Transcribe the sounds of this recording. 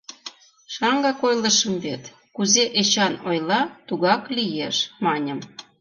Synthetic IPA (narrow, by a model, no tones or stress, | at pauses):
ʃɑŋɡɑkojlə̆ʃəmβet̪ | kuzeʔet͡ɕɑnojlˠɑt̪uɣɑklijeʃmɑnʲəm